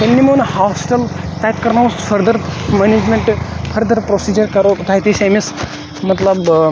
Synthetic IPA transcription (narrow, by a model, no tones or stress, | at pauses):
t̪enːiːmiɭunhɔsʈəlt̪ajt̪kɐɾnaʋɐst̪ufəɾd̪əɾmened͡ʑmeɳʈfʰəɾd̪əɾpɾosid͡ʑəɾkɐɾot̪ajt̪isemis | mɐt̪ləb